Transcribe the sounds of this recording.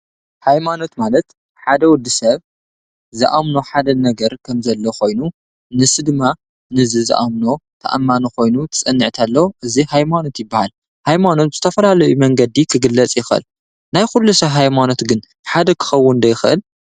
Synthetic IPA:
hajmano̞t̪malɐt̪ | ħad̪ɐwʊd̪ːisɐβ | zɨʔamno̞ħad̪ɐnɐɡɐɾkʰɐmzɐlːo̞xo̞jnu | nɨsɨd̪ɨmːa | nɨzɨzɨ̰ʔamno̞t̪ʰɐ̰ʔa̰mːanoxo̞jnut̪ʰɨ̥t͡sʼɐnːɨʕt̪ʰalːɐwʔɨzihajmano̞t̪jɪbːahal | hajmano̞t̪̚z̥ɨt̪ʰɐfɐlalɐjumɐŋɡɐd̪ikʰɨɡɨlːɐt͡sʼjɪxʔɨ̰l | najxulːusɐβɦajmano̞t̪ɡɨn | ħad̪ɐkʰɨ̥xɐwːʊnd̪ɐjɪxʔɨ̰l

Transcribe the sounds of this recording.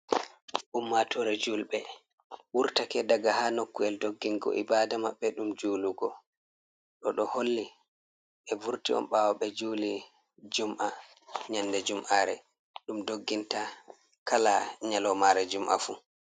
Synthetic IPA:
ʔumːatʰɔɾɛd͡ʒulɓɛ | ɓuɾtakɛdaɡahanokːuɛldoɡːiŋɡɔ̰ʔibaːdamaɓːɛɗumd͡ʒuːluɡɔ | ɗɔɗɔholːi | ʔɛvuɾtiɔ̰nɓawɔɓɛd͡ʒuːli | d͡ʒumʔa | ɲandɛd͡ʒumʔaɾɛ̰ | ɗumdoɡːinta | kalaɲalɔmaɾɛd͡ʒumʔa̰fu

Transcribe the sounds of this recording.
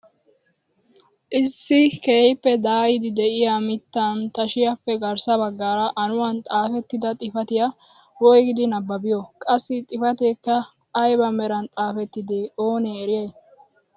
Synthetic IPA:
ʔɪsːɪkeːjpːɛd̪aːjɪd̪ɪd̪ɛʔɪjamɪt̪ːɐnt̪ɐʃɪjɐpːɛɡɐɾsɐbɐɡːaːɾɐʔɐnʊwɐnt̪ʼaːfɛt̪ːɪd̪ɐt̪ʼɪfɐt̪ɪjɐ | wɔjɡɪd̪ɪnɐbːɐbɪjɔkʼɐsːɪt̪ʼɪfɐt̪eːkːɐː | jbɐmɛɾɐnt̪ʼaːfɛt̪ːɪd̪eoːneːɾɪjeː

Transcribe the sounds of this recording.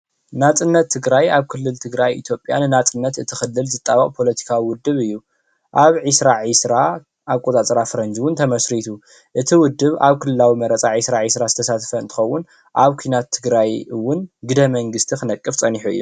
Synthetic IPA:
nat͡sʼɨnːɐt̪ʰːɨɡɾajaβkʰɨlːɨlt̪ʰɨɡɾajḭt̪ʰjo̞pʼjanɨnat͡sʼɨnːɐt̪ɨt̪ʰixɨlːɨlzɨt̪ʼːaβɐqʼpʰo̞lɐt̪ʰi̥kʰawiwʊd̪ːɨβɨjːu | ʔaβʕisɾaʕisɾa | ʔaβkʷʼot̪ʼat͡sʼɾafɨɾɐnd͡ʒwʊnt̪ʰɐmɐsɾit̪ʰu | ʔɨt̪ʰiwʊd̪ːɨβaβkʰɨlɨlawimɐɾɐt͡sʼaʕisɾaʕisɾazɨt̪ʰɐsat̪ʰfɐɨnt̪ʰɨ̥xɐwːʊn | ʔaβkʷʰinat̪ʰːɨɡɾajwʊnɡɨd̪ɐmɐŋɡɨst̪ʰixɨnɐkʼːɨft͡sʼɐniħuɨ̰jːṵ

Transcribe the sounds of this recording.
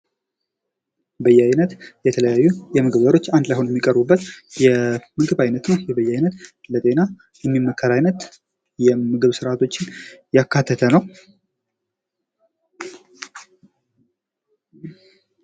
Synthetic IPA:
bəjɛajnət̪jɛt̪ʰələjajːujɛmɨɡɨbəɾo̞t͡ʃːand̪lajho̞njɛmːikʼəɾbubːət̪jɛmɨɡɨβajnət̪nəjɛbəjːajnət̪lət̪ʼe̞na | jɛmːimːəkʰːəlajnət̪ | jɛmɨɡɨβsɨɾat̪ʰo̞t͡ʃːɪnjakːat̪ʰːət̪ʰənəw

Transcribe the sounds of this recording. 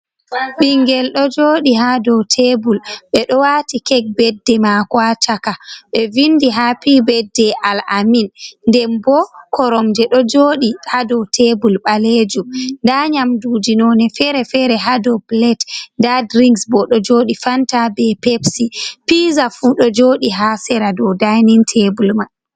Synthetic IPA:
ɓiŋɡɛlɗɔd͡ʒoːɗiɦadɔwtʰebulɓɛɗɔwatikɛk̚bɛdːɛmakwat͡ʃakaɓɛvindiɦapiːbɛdːɛʔalaminndɛmbɔkɔɾɔmd͡ʒɛɗɔd͡ʒoːɗihadɔtʰebulɓaled͡ʒumndaɲamdud͡ʒinɔnɛfɛɾɛfɛɾɛɦadɔblɛtndadɾiŋɡsbɔɗɔd͡ʒoːɗifantabɛpepsipizafuɗɔd͡ʒoɗiɦasɛɾadɔdajnintʰebulma

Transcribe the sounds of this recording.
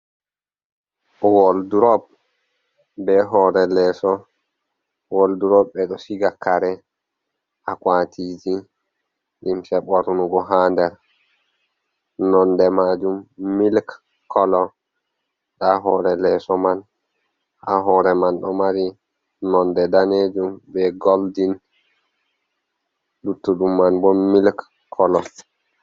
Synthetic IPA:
wɔlduɾɔb̚ | bɛɦɔːɾɛlɛsɔ | wɔlduɾɔbɛɗɔsiɡakːaɾɛ | ʔakwatʰid͡ʒi | ʔimsɛɓaɾunuɡɔɦaːndɛɾ | nɔndɛmad͡ʒumːilk | kːɔlɔ | ɗaɦɔɾɛlɛsɔman | ʔaɦɔɾɛmanɗɔmaɾi | nɔndɛdaned͡ʒumbɛɡoldin | lutːuɗumːanbɔmilk | kʰːɔlɔ

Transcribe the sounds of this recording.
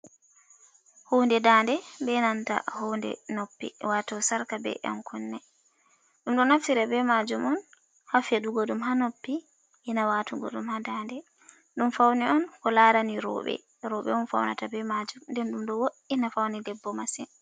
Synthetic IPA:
howndɛdandɛbɛnanta̰howndɛ̰nopːḭwatɔsaɾkabɛ̰ʔa̰mkʰɔnːɛ | ɗumɗɔnaftiɾabɛmad͡ʒumɔn | hafjaɗuɡɔɗumɦanopːi | ʔɛnawatuɡɔ̰ɗumhadandɛ | ɗumfawniɔnkɔlaɾaniɾɔ̰ːɓɛ̰ | ɾɔɓɛ̰ɔnfa̰wna̰tabɛmad͡ʒumndɛnɗumɗɔwoʔinafawnidɛbːɔmasɛn

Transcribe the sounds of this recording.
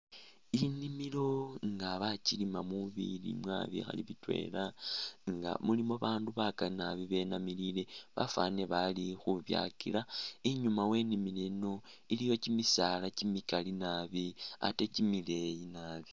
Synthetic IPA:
inimilo̞ŋɡaβacilimamuβḭlḭmwa̰βḭxa̰liβitwe̞̰ːlaŋɡa̰mulimo̞βaːnduβakalinaβiβe̞namilile̞βa̰fa̰ne̞βalixuβja̰kḭlaiɲumawe̞nimileno̞ | ilijo̞cimisalacimikalinaβia̰te̞cimile̞jinaːβi̥

